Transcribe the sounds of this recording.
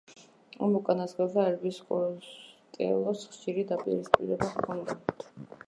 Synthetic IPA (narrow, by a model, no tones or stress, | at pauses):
a̰mukʼanasχɛvaɛɾbiskʼɔt̪ʼɛ̰lˠɔsχʃiɾid̪apʼḭɾispʼḭɾɛbaχkʰɔnd̪at̪ʰ